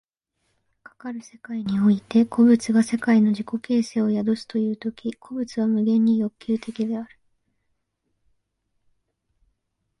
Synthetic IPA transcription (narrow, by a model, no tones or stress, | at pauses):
kḁkaɾɯ̟se̞kaiɲ̟io̞it̪e̞kʰo̞bɯ̟t͡sɨɡase̞kaino̞ʑiko̞ke̞ːse̞ːo̞jad̪osɨ̥t̪o̞jɯ̟ːt̪o̞kʲikʰo̞bɯ̟t͡sɨβamɯ̟ɡẽ̞ɲ̟ːijo̞kʲːɨːt̪e̞kʲid̪e̞aɾɯ̟